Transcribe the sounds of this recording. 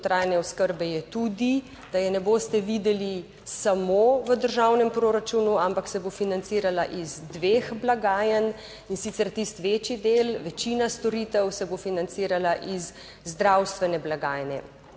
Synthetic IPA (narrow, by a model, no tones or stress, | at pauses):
t̪ɾaːjnɛɔskəɾbɛjɛt̪ud̪i | d̪̥ajɛnɛboːst̪ɛʋiːd̪ɛli | samoːʋəd̪əɾʒawnɛmpɾoːɾat͡ʃunuampaksɛbofinant̪siːɾalaʔizd̪ʋeːxblaɡaːjən | insit̪sɛɾt̪ist̪ʋeːt͡ʃjid̪elʋɛt͡ʃiːnast̪ɔɾiːt̪ɛwsɛbofinant̪siːɾalaʔizː | d̪ɾawst̪ʋɛnɛblaɡaːjnɛ̰